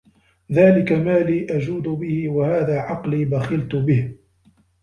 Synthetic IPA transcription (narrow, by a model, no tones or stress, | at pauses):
ðaːlɪkamaːliːʔad͡ʒuːd̪ʊbɪhɪwahaːðaːʕɑqliːbaxɪlt̪ʊbɪh